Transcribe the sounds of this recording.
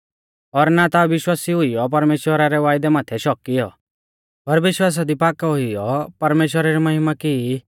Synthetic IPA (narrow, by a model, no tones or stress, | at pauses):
ɔɾnat̪aʋɪʃwaːsiɦʊijɔp̬ɐɾmeːʃwəɾaɾɛʋaːjd̪ɛmaːt̪ʰɛʃɔkːijɔ | pɐɾʋɪʃwaːs̬ad̪ipaːkaɦʊijɔpɐɾmeːʃwəɾaɾimɐɦɪmaki